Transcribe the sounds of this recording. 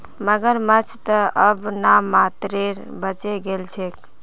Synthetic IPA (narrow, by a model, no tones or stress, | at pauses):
məɡəɾmət͡ʃʰt̪əəbnamat̪ɾeɾ | bət͡ʃeɡelt͡ʃʰek